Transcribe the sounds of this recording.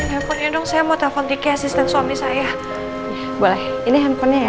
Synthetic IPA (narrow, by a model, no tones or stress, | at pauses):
hɛmpɔnɲadɔŋsajamot̪afɔnt̪ikɛasist̪ɛnswamisaja | bɔlɛhiniɦɛmpɔnɲaja